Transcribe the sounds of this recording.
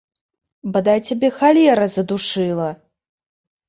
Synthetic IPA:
bɐd̪ajt͡sʲabʲɛxalʲɛɾɐzɐd̪uʂɨlˠɐ

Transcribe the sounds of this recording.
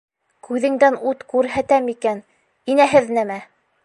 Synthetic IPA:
kʰʉðɘ̆ŋd̪ænut̪kʉɾɦæt̪æmikæn | inæɦɘðnæmæ

